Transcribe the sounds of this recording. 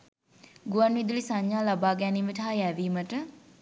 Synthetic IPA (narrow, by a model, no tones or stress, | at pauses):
ɡuʋanʋid̪ulisaɲːaːlabaːɡæniːməʈɐɦajæʋiːməʈə